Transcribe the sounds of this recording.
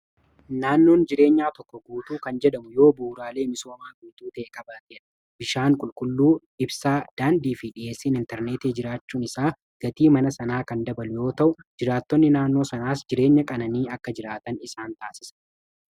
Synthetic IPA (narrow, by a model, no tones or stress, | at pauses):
naːnːo̞ːnd͡ʒɪɾe̞ːɲːaːt̪ɔkːɔɡuːt̪uːkɐnd͡ʒɛᶑɐmʊjo̞ːbuːɾaːle̞ːmɪso̞ːmaːɡuːt̪uːt̪ɐʔɛkɐbaːt̪eːᶑɐ | bɪʃaːŋkʼʊlkʼʊlːuː | ɪbsaːd̪̥aːnd̪iːfiᶑɪʔe̞ːsːɪnɪnt̪ɛɾneːt̪eːd͡ʒɪɾaːt͡ʃːuːnɪsaː | ɡ̥ɐt̪iːmɐnɐsɐnaːkɐnd̪ɐbɐlʊjo̞ːt̪ɐʔʊd͡ʒɪɾaːt̪ːɔnːɪnaːnːo̞ːsɐnaːsd͡ʒɪɾe̞ːɲːɐkʼɐnɐniːɐkːɐd͡ʒɪɾaːt̪ɐnɪsaːnt̪aːsɪsɐ̥